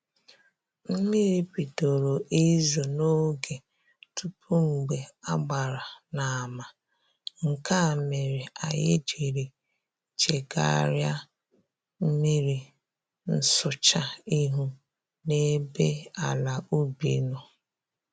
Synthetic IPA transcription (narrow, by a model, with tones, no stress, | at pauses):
m̩˦mi˦ɾi˦pi˨to˨ɾo˨ʔi˦zo˨no˦ɡe˨ | tu˦pʰu˦ŋ͡m̩˨ɡ͡be˨a˦ɡ͡ba˨ɾa˨na˨a˨ma˨ | ŋ̩˨ka˦˨me˨ɾi˨a̰˨jḛ˦d͡ʒe˨ɾi˨ | t͡ʃe˨ɡa̰˦˨˦ɾja˦ | m̩˦mi˦ɾi˨ | n̩˦sʊ˨t͡ʃa˦i˦ɦu˦ | ne˦be˦a˨la˨ʔu˦bḭ˨no˨